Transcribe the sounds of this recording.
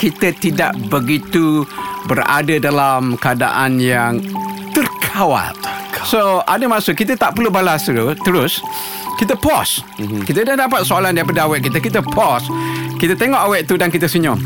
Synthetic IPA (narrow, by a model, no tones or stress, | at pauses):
kit̪ət̪ida̰ʔbəɡit̪ubəra̰dədalamkada̰ʔanjaŋt̪ərkʰawa̰lsoʔadəmãsəkit̪̬ət̪aʔpəlubalasəut̪əɾʊs | kit̪əpɔs | kit̪̬ədahdapat̪̚soalandaɾip̬adəawɛʔkit̪əkit̪̬əpʰɔskit̪ət̪eŋɔʔawɛʔt̪udankit̪əsuɲɔŋ